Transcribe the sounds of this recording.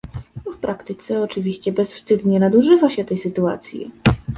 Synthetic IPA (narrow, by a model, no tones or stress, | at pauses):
fpɾʔakt̪ɘt̪sɛɔt͡ʂɘvʲiɕt͡ɕɛbɛsfst̪ɘd̪ɲɛnad̪uʐɘvaɕɛt̪ɛjsɘt̪ua̰t̪sʲjḭ